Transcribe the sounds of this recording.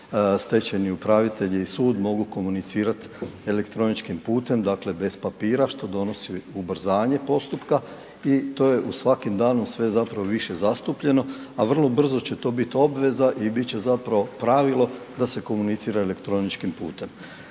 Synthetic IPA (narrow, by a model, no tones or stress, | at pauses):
st̪e̞t͡ɕeniupɾaʋit̪e̞ʎiisuːd̪mo̞ɡuko̞munit̪siːɾat̪e̞lekt̪ɾo̞nit͡ʃkimpuːt̪e̞md̪akle̞be̞spapiːɾaʃt̪o̞d̪o̞no̞siubr̩zaːɲe̞po̞st̪upka | it̪o̞ːje̞ʔusʋakimd̪aːnomsʋe̞zapɾaʋoʋiʃe̞zast̪upʎe̞no̞aʋr̩lˠo̞br̩zo̞t͡ɕe̞t̪o̞ːbit̪o̞bʋe̞zaʔibit̪t͡ɕe̞zapɾaʋo̞pɾaʋilˠo̞d̪ase̞ko̞munit̪siːɾaelekt̪ɾo̞nit͡ʃkimpṵːt̪e̞m